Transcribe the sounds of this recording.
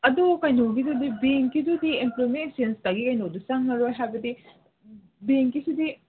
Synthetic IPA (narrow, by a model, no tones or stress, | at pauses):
ɐdokajnowɡidudibeŋkidudiemplomeeksenstɐɡikajnowdusaŋnɐɾojɦajbɐdi | beŋkisidi